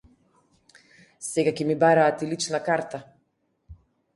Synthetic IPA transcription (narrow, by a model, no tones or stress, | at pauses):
sɛɡakɛmibaɾaːt̪ilit͡ʃnakaɾt̪a